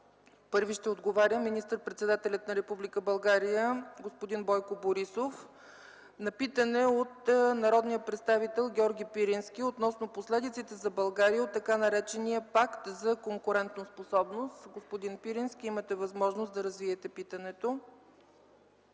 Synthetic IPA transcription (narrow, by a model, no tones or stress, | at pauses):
pɤɾviʃt̪ɛod̪ɡovaɾʲəminist̪əɾpɾɛt̪sɛd̪at̪ɛlʲɐt̪̚nɐɾɛpublʲikəbɐlˠɡaɾijəɡospod̪inbɔjkoboɾisof | nɐpit̪ənɛot̪nɐɾɔd̪nijəpɾɛt̪st̪avit̪ɛlˠɡʲɔɾɡʲipiɾinskʲiot̪nɔsnoposlɛd̪it̪sit̪ɛzɐbɐlˠɡaɾijəot̪ːɐkanɐɾɛt͡ʃɛnijəpakt̪zɐkoŋkʊɾɛnt̪nosposɔbnost̪ɡospod̪inpiɾinsk̟ʲiimət̪ɛvɐzmɔʒnosd̪ɐɾɐzviɛt̪ɛpit̪ɐnɛt̪o